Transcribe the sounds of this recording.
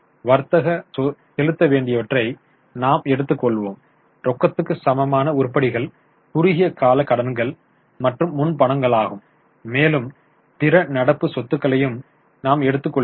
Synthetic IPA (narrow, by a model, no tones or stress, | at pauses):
ʋɐɾt̪ːɐɣɐsɔsɛlɯt̪ːɐʋeːɳɖɪjɐʋɐʈrɐɪ | naːmɛɽɯt̪ːɯkːɔɭʋoːm | ɾɔkːɐt̪ːɯkːɯsɐmɐmaːnɐʊɾpːɐɽɪɣɐɭ | pʊɾɯɣɪjɐkaːlɐkːɐɽɐnɡɐɭ | mɐʈrɯmːʊnpɐɳɐŋɡɐɭaːɣɯmː | eːlɯm | pɪɾɐnɐɽɐpːɯsɔt̪ːɯkːɐɭɐjɯm | naːmɛɽɯt̪ːɯkːɔɭ